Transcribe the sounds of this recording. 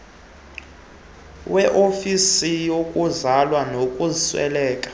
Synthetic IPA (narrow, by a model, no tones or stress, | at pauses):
wɛʔofisijokʼuzalwanokʼuziswɛ̰lɛːkʼḁ